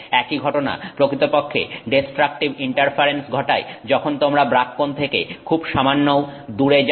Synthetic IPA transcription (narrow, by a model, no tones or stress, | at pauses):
ɛkiɡʱɔʈona̰pɾokɾit̪opokʰːḛɖesʈɾak̚ʈibiɳʈaɾpʰaɾensɡʱɔʈa̰ed͡ʑɔkʰont̪omɾabɾakːont̪ʰekḛkʰubʃamanːowd̪uɾed͡ʑ